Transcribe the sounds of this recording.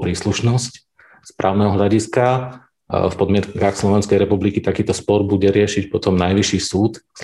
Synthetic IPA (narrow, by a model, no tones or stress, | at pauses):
pɾiːsluʃnɔsc | spɾʔa̰ːʊnɛɦɔɦʎaɟiska | fpɔd̪mɪɛt̪kaxslɔʋɛnskɛjɾɛpublikit̪akiːt̪ɔspɔɾbuɟɛɾɪɛʃicpɔt̪ɔmnajʋiʃiːsuːt̪